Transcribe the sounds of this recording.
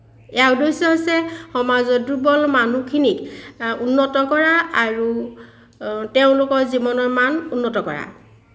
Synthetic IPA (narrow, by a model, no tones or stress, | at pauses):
ɛawdojsɔɦojsɛxɔmazɔdubɔlmanukʰinikunːɔtɔkɔɹaaɹu | teʊ̃lʊkɔɹzibɔnɔɹmanunːɔtɔkɔɹa̰